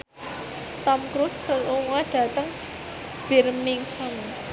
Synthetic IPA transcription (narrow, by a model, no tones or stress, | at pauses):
t̪ɔmkɾʊsːəluŋaɖ̥ä̤t̪əŋ | b̥ɛrmiŋhɔn